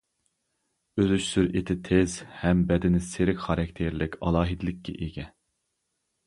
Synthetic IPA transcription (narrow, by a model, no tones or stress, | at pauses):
øzyʃsyɾʔet̪ʰɪt̪ʰezhɛmbɛd̪ɪnɪseɾɪkʲχɑɾɑkʲt̪ʰeɾlɪkʲɑlˠɑːɦid̪ɪlɪkʲːɛ̰ʔeɡʲɛ